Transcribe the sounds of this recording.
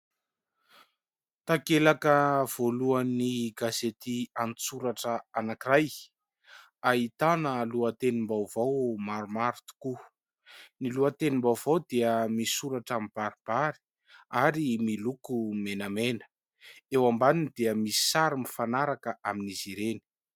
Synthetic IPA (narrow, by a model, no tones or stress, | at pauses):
t̪akelakəv̥oluaniɡazet̪iant͡suɾaʈ͡ʂəanakiraj | ait̪anəluət̪enimbawvawmaɾumaɾt̪u̥ku | niluat̪enimbawvawd̪eəmisuɾaʈ͡ʂamib̥aɾib̥aɾi̥ | aɾimilukumenamenə̥ | ewambaninid̪̥eəmisi̥saɾimifanaɾakəʔaminizeɾeni̥